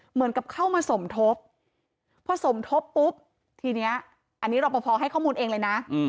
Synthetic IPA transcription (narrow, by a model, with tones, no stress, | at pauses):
mɯ˨˩˦ənka˨˩p̚kʰa˥˩wmaː˧so˩˦mt̪ʰo˦˥p̚ʰ | ɾɔː˧˩so˨˩˦mt̪ʰo˦˥pːu˦˥p̚ | t̪ʰiː˧ni˦˥ɐ | ʔa˧nːiː˦˥ɾa˧wpa˧pʰɔː˧ɦa˥˩jkʰɔː˥˩muː˧nʔeː˧ŋlɤː˧jna˦˥˧